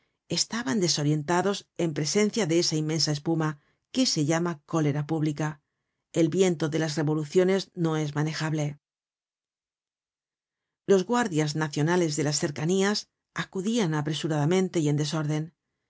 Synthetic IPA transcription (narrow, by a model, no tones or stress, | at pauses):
e̞st̪aβand̪e̞so̞ɾje̞nt̪aðo̞se̞mpɾe̞se̞nθjaðe̞e̞saimẽ̞nsae̞spuma | ke̞se̞ʝamako̞le̞ɾapuβlika | e̞lbje̞nt̪o̞ðe̞lasre̞βo̞luθjo̞ne̞zno̞e̞zmane̞xaβle̞ | lo̞zɣwaɾðjaznaθjo̞nale̞zðe̞lasθe̞ɾkanias | akuðianapɾe̞suɾaðamẽ̞nt̪e̞ie̞nd̪e̞so̞ɾðe̞n